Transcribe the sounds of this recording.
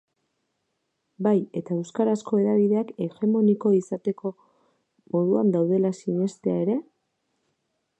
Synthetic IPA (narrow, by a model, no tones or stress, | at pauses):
baje̞t̪aewskaɾasko̞e̞ðaβ̞iðe̞ake̞ɣe̞mo̞niko̞isat̪e̞ko̞ | mo̞ðuand̪awð̞e̞lasiɲe̞st̪eae̞ɾe̞